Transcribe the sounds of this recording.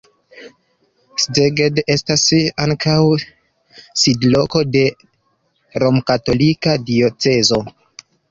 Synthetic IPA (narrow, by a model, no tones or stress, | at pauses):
sdeɡede̞stasaŋkʰaw | sidlo̞ko̞de̞ | ɾo̞mkato̞likadio̞t͡se̞zo̞